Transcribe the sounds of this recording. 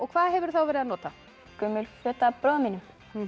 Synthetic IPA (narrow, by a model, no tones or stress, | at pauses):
ɔɣkʰvaːðɦɛvʏɾ̥θawvɛːɾɪðanɔːt̪a | kʏmːʏlkfœːt̪apɾɔminʏm